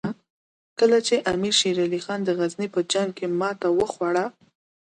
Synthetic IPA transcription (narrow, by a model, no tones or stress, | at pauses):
kəlat͡ʃeʔamiɾʃiɾalixɑnd̪əɣaznipəd͡ʒaŋɡ̚kemɑt̪awəxwaɽa